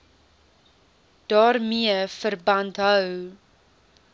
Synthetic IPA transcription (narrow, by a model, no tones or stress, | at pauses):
d̥ɑːrmiəfərbɐntɦœw